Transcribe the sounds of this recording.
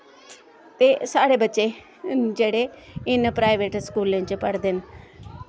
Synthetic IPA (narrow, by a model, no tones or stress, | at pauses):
t̪esaːɽebɐt͡ɕe | d͡ʑeːɽeɪnpɾaːɪʋeːʈskuːlɪnɪd͡ʑepɐɽ̤d̪ʱɪnɪ̆